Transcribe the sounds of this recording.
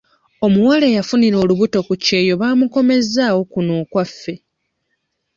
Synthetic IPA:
o̞muwaleːjafuniɾo̞ːluβuto̞kuce̞ːjo̞βaːmuko̞me̞zaːwo̞kuno̞ːkwafːe̞

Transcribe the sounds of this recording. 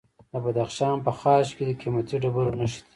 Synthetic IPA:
d̪əbad̪axʃɑnpəxɑːʃked̪əkʰimat̪iɖabaɾonaʃi̥t̪i̥

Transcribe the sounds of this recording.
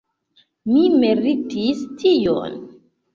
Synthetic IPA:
mimiɾitistʰijo̰n

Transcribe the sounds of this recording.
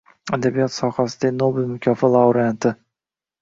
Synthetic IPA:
ad̪abijɒt̪sɒχasɪd̪anobɪlmʊkʲʰɒfɑlˠawɾant̪ɪ

